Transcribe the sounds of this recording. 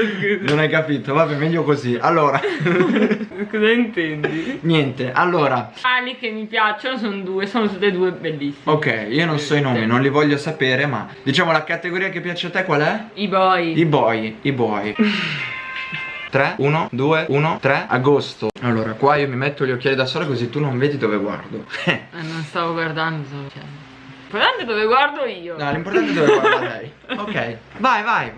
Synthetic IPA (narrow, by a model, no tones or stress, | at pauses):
skuznonajkapiːt̪ovabɛmɛʎːokoziʔalːoːɾa | kɔzaint̪ɛnd̪injɛnt̪eʔalːoːɾa | alikemːipjat͡ʃonos̬ond̪uːesoːnot̪ut̪ːed̪uːebelːisːiokːɛjiːononsɔinoːminonlivɔʎːosapeːɾema̰d̪it͡ʃaːmolakat̪eɡoɾiːakepːjaːt͡ʃeat̪ːekwalɛibɔjibɔjibɔj | t̪ɾɛuːnod̪uːeuːnot̪ɾɛaɡost̪oalːoːɾakwaiːomimet̪ːolʎːok̟ʲːaːlid̪asoːlekozit̪ːunoɱveːd̪id̪oːveɡwa̰rd̪oɛɛnːõnst̪aːvoɡward̪and̪ot͡ʃɛ̰ | impoɾt̪ant̪ed̪oveɡward̪oiːonɔɛlimpoɾrt̪ant̪eed̪oveɡwadɛj | okːɛjvajvaj